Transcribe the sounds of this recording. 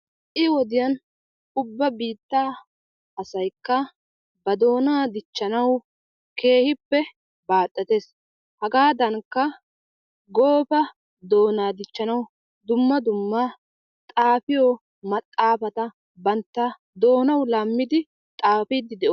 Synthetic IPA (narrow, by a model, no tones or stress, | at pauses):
ʔɪwɔd̪ɪjɐn | ʊbːɐbiːt̪ːaː | ɐsɐjkːɐ | bɐd̪o̞ːnaːd̪ɪt͡ʃːɐnɐw | ke̞ːhɪpːɛ | baːt̪ʼːɐt̪e̞s | hɐɡaːd̪ɐŋkːɐ | ɡo̞ːfɐ | d̪o̞ːnaːd̪ɪt͡ʃːɐnɐw | d̪ʊmːɐd̪ʊmːɐ | t̪ʼaːfɪjo | mɐt̪ʼːaːfɐt̪ɐ | bɐnt̪ːɐ | d̪o̞ːnɐwlamːɪd̪ɪ | t̪ʼaːfiːd̪ɪd̪ɛʔ